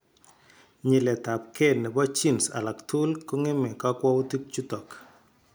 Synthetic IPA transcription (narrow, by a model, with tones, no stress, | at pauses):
ɲɪ˨lɛ˨ta˨p̚ke˦˨nɛ˨bɔ˦t͡ʃi˦˨nsa̰˨la˨ktʰu˦lko˦ŋe˦mɛ˨ka˦kwɔ˦u˦ti˦k̚t͡ʃu˦tɔ˨k